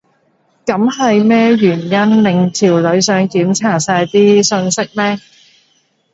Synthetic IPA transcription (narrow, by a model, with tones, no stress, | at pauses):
kɐ˨˥mhɐ˨jmɛː˥jyː˨˩njɐ˥nlɪ˨˧ŋt͡sʰiː˨˩wlɵ˨˥ɥsœː˨˥ŋkiː˨˥mt͡sʰaː˨˩t̚saː˧jt̪iː˥sɵ˧nsɪ˥k̚mɛː˥